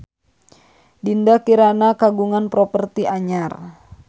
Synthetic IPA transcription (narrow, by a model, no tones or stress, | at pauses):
dindakiɾanakaɡuŋanpɾɔpərt̪iʔaɲar